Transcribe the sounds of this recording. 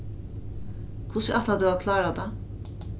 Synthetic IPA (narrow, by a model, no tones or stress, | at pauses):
kʰʊsəʔat̪ad̪ʉːaʋkʰlɑːɾad̪æ